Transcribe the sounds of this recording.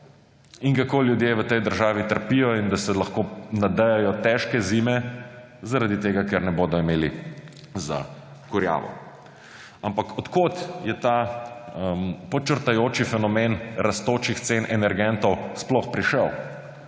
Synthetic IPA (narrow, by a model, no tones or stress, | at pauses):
iŋkakoːljud̪jeːʋət̪ɛjd̪əɾʒaːʋit̪əɾpijɔind̪asɛlɐxkonad̪əjajɔt̪ɛʃkɛziːmɛ | zaɾad̪it̪eːɡakɛɾnɛboːd̪ɔimeːli | za̰ | kuɾja̰ːʋɔ̰ | ampakʰɔt̪kot̪jɛt̪aəmpɔt͡ʃəɾt̪ajoːt͡ʃifɛnɔmenɾast̪oːt͡ʃixt̪senʔɛnɛɾɡɛnt̪ɔwsplɔxpɾiʃəw